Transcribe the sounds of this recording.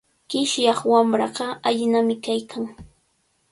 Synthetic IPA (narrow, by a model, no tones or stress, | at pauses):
ɢ̥ɪʃjɑχwamɾɑɢɑaʎɪnamɪkajkʰaŋ